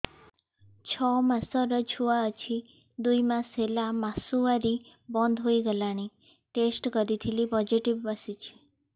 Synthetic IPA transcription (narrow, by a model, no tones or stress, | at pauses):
t͡ʃʰɔmasɔɾɔt͡ʃʰuaət͡ʃʰi | d̪ujmaselamasuaɾi | bɔnd̪ʱɦoiɡəlaɽ̃i | ʈesʈkɔɾit̪ʰilipɔd͡ʒiʈibbasit͡ʃʰi̥